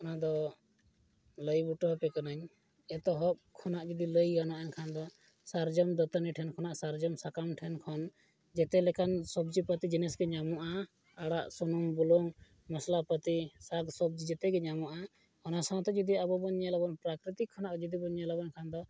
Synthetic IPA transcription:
ɔnad̪ɔ | ləjbuʈɔɦɔpɛkanaɲ | ɛt̪ɔɦɔp̚kʰɔnaʔd͡ʒud̪iləjɡanaʔaɲkʰand̪ɔ | saɾd͡ʒɔmd̪ət̪əniʈʰɛnkʰɔnaʔsaɾd͡ʒɔmsakamʈʰɛnkʰɔn | d͡ʒɛt̪ɛlɛkansɔb̚d͡ʒipət̪id͡ʒinɛsɡɛɲamɔʔa | aɽaʔsɔnumbulɔŋ | maslapət̪isaɡsɔb̚d͡ʒid͡ʒɛt̪ɛɡɛɲamɔʔa | ɔnasãwt̪ɛd͡ʒɔd̪iabɔbɔɲalabɔnpɾakɾit̪ikʰːɔnaʔd͡ʒɔd̪ibɔɲalabɔnkʰand̪ɔ

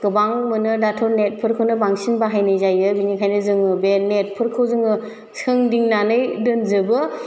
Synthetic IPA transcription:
kɯbaŋmɯnɯdatʰɔɾnet̚pʰɯɾkʰɯwnɯbaŋsinbaɦajnɯjzajɯbiɲikʰajnɯzɯŋɯbenet̚pʰɯɾkʰɯwzɯŋɯ | sɯŋdiŋnanɯjdɯnzɯbɯ

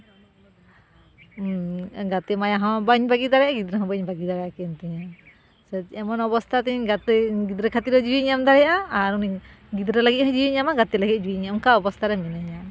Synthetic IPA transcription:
ɡat̪ɛmajaɦɔ̃baɲbaɡid̪aɾɛjaɡid̪ɾɛɦɔ̃bɔɲbaɡid̪aɾɛjakɛnt̪ɛɲa | sɛɛmɔnɔbɔst̪at̪ɛɡat̪ɡid̪ɾɛkʰat̪id̪ɔd͡ʒiwiɲamd̪aɾɛjaʔaaɾuni | ɡid̪ɾɛlaɡit̚hɔ̃d͡ʒiwiɲamaɡat̪ilaɡid͡ʒiwiɲaŋkaɔbɔst̪aɾɛmɛnaɲa

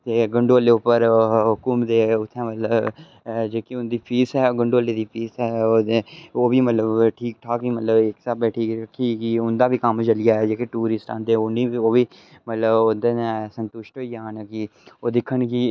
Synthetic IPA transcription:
t̪eːɡəɳɖoːleːʊpːəɾɦʊkʊmd̪eːʊt̪ʰːẽːmət̪ləb | d͡ʒeːkiʊnd̪iːpʰiːsɛːɡəɳɖoːleːd̪iːpʰiːsɛːoːeoːʋiːmət̪ləbʈʰiːkʈʰaːkimət̪ləbɪksabɛːʈʰiːɾkʰiːkɪʊnd̪aːbiːkəmt͡ʃəlɪjaːɛːd͡ʒeːkeʈuːɾɪsʈã̰ːnd̪eːoniːoːʋiː | mət̪ləbʊnd̪eːnesənt̪ʊʃʈɦoiːaːnkioːd̪ɪkʰːənki

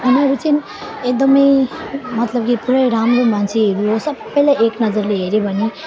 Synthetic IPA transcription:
ɦunʌɾut͡sin | ek̚d̪ʌmʌjmʌt̪lʌb̚kipuɾʌjɾamɾomansʰeɦeɾuɦosʌbːʌjlaeknʌd͡zʌɾleɦeɾebʱʌnːe

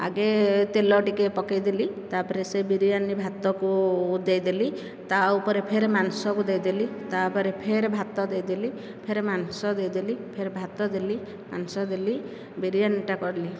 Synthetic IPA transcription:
a̰ɡet̪elɔʈikepɔkajd̪ilit̪apɔɾesebiɾijanibʱat̪ɔkud̪ejd̪eli | t̪aupɔɾepʰeɾemansɔkud̪ejd̪elit̪apɔɾepʰeɾebʱat̪ɔd̪ejd̪ili | pʰeɾemansɔd̪ejd̪ilipʰeɾebʱat̪ɔd̪eli | ma̰nsɔd̪eli | biɾijaniʈakɔɾli

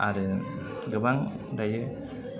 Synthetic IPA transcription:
aɾɯ | ɡɯbaŋ | dajɯ

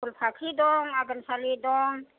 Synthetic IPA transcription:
ʊlpʰakʰid̪ɔŋaɡənsalid̪ɔŋ

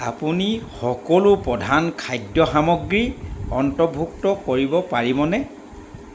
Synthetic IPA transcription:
apunixɔkɔlupɹɔdʱankʰajdjɔxamɔɡɹiɔntɔbʱuk̚tɔkoɹibɔpaɹibɔnɛ

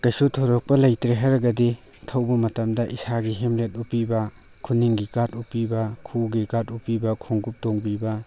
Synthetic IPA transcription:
kajsutʰoɾɔk̚pɐlɐjtɾeɦaɾɐɡɐdi | tʰɐwbɐmɐtɐmdɐʔisaɡiɦemlet̚upibɐ | kʰuniŋɡikatupːibɐkʰuɡikatupibɐkʰoŋɡup̚toŋbibɐ

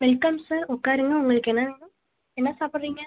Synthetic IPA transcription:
ʋɛlkɐmsaːɾɔkːaːɾɯŋɡɐʊŋɡɐɭɯkːɛnːɐʋiŋɡɐ | ɛnːɐsaːpɪɾɾiːŋɡɐ

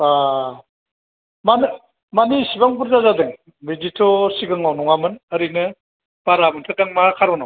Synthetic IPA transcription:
a | man | manisibaŋp̬uɾzazadɯŋ | bid͡ʒitʰɔsiɡɯŋawnɔŋamɯnəɾinɯ | b̥aɾamɯntʰataŋmaakʰaɾɔnɔw

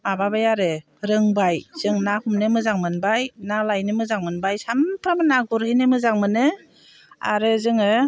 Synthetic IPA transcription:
mababajaɾɯ | ɾɯŋbajz̥ɯŋnahumnɯmɯzaŋmɯnbajnalajnɯmɯzaŋmɯnbajsampʰɾamɯnaɡuɾhɯjnɯmɯzaŋmɯnɯ | a̰ɾɯzɯŋɯ

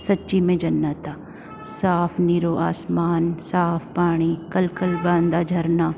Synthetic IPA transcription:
sɐtːʃimẽd͡ʒɐnːət̪a | saːpʰniɾoːʔaːsmaːnsaːpʰpaːɽ̃ikɐlkɐlbãːnd̪ad͡ʒʱɐɾnaː

